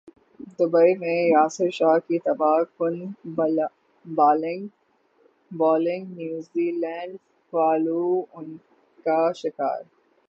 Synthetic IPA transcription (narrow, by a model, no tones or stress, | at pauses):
d̪ʊbəimẽjaːsɪɾʃaːkit̪ɐbaːxʊn | baːlɪ̃ŋɡ | bɔːlɪ̃ŋɡnjuːziːlɛ̃ːɖ | ʋaːluʊn | kaʃɪka̰ːɾ